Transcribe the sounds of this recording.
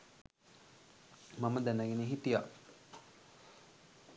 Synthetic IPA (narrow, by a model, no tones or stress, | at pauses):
maməd̪ænəɡeneɦit̪ija̰